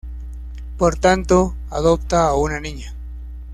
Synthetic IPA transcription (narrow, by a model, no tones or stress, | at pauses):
poɾt̪ant̪o | aðop̚t̪aːunanĩɲa